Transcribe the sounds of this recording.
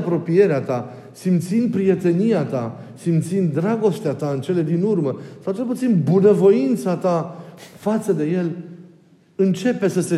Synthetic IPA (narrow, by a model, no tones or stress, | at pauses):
pɾo̞pije̞ɾeat̪a | simt̪sind̪̚pɾije̞t̪e̞nijat̪asimt̪sind̪d̪ɾaɡo̞st̪eat̪aɨnt͡ʃe̞le̞d̪inurməsawt͡ʃe̞lput̪sinbunəvo̞int̪sat̪afat̪səd̪e̞je̞l | ɨnt͡ʃe̞pe̞səse